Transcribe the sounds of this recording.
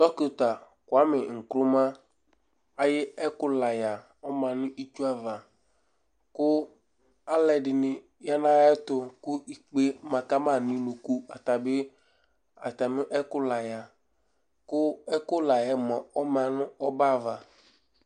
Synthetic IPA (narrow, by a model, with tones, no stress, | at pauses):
tɔ˦kʊ˨t̪a˨ | kʊ˨a˦mɪ˨ŋ̩˨kɾʊ˦ma˦ | a˨jɪ˦ɛ˦kʊ˦la˨ja˨ | ɔ˦mã˨nʊ̃˦ʔi˦t͡ʃu˦a˦va˨ | kʊ˦ | a˦lɛ˨dɪ˨nɪ˨ | ja˦nã˦a˦t̪ʊ˦kʊ˦i˨k͡pe˦mã˨ka˦ma˦˨nɪ̃˦nʊ˨ku˦a̰˨t̪a˨bɪ˦ | a̰˨t̪a˨nʊ̃˦ʔɛ˦kʊ˦la˨ja˨ | kʊ˦ɛ˦kʊ˦la˨jɛ˨mɔ˨ɔ˦mã˨nʊ̃˦ɔ˦ba˦˨va˨